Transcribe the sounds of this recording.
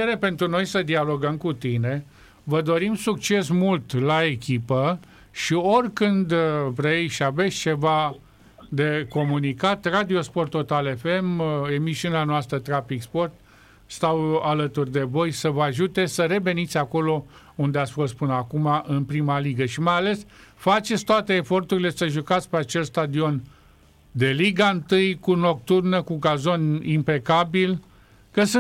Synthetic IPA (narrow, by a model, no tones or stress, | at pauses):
eɾe̞pe̞nt̪ɾuno̞jsəd̪ialo̞ɡəmkut̪ine̞ | vəd̪o̞ɾimsuk̚t͡ʃe̞smult̪lae̞kʲipə | ʃio̞rʲkɨnd̪vɾejʃave̞t̪sʲt͡ʃe̞va | d̪e̞ko̞munikat̪rad̪io̞spo̞rt̪o̞t̪ale̞feme̞misiuneanoast̪ɾət̪ɾafikspo̞rt̪ | st̪awalət̪urʲd̪e̞vo̞jsəvəaʒut̪e̞səɾe̞ve̞nit̪sʲako̞lo̞ | und̪eat̪sʲfo̞st̪̚pɨnəakumaʔɨnpɾimaliɡəʃimajale̞sfat͡ʃe̞t̪sʲt̪oat̪e̞ːfo̞rt̪uɾile̞səʒukat̪sʲpeat͡ʃe̞lst̪ad̪io̞n | d̪e̞liɡaɨnt̪ɨjkuno̞k̚t̪urnəkuɡazo̞nimpe̞kabil | kəsɨ